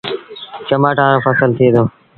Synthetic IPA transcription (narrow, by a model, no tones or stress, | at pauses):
t͡ʃəmaːʈãːɾofəsəlt̪ʰied̪oː